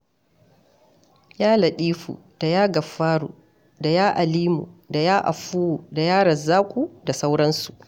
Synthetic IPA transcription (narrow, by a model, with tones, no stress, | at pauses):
jaː˦lɐ˨ɗiː˦ɸṵ˨d̥a˨jaː˦ɡɐ˨ɸːaː˦ɽṵ˨ | da˨jaː˦ʔa˨liː˦mṵ˨da˨jaː˦ʔa̰˨ɸuː˦wuː˨da˨jaː˦ɽɐ˨zaː˦kʷʼuː˦˨da˨sa˦wɽɐ˦nsu˨ʔ